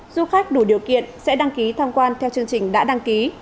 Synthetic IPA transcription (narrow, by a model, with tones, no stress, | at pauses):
zu˧xaː˦˥k̚ɗu˧˩ɗi˨˩əwkḭ˧˨ənsɛ̰˧˥ɗa˧ŋki˨˦t̪ʰa˧wŋ͡mkwaː˧nt̪ʰɛ˧wt͡ɕɨ˧əŋt͡ɕï˨˩ŋ̟ɗa̰ː˧˥ɗa˧ŋki˨˦